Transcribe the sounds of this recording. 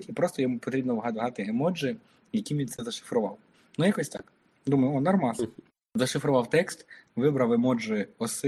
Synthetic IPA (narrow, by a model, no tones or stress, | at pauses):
tʲipɾɔst̪ɔjɔmupɔt̪ɾʲibnɔʋɦɑt̪ɦɑt̪ɪemɔd͡ʒɪ | jɐkʲiʋʲint̪sɛzɐʃɪ̥fɾʊʋɑw | nujakɔsʲt̪ɑ̰k | d̪umɐjʊɔnɐrmɑz | zɐʃɪfɾʊʋɑwt̪ɛkst̪ʋɪbɾɐwemɔd͡ʒʊɪɔsɪ